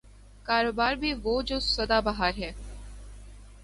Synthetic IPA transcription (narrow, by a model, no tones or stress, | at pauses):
kaːɾoːbaːɾbʱiʋoːd͡ʒoːsɐd̪abɐɦaːɾɦɛː